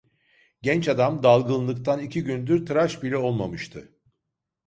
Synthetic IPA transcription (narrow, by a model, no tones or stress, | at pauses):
ɟɛnt͡ʃad̪amd̪alˠɡɯnˠlˠɯkt̪ʰanicʰiɟynd̪yɾt̪ʰɯɾaʃbilʲɛo̞lˠmamɯʃt̪ʰɯ